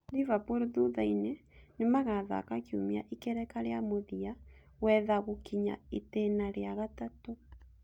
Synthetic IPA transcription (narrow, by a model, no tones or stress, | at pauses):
livapoɾeðuðainenemaɣaða̰kakiomia̰ʔikɛɾɛkaɾeamoðia | wɛðaɣokiɲa̰etenaɾeaɣatato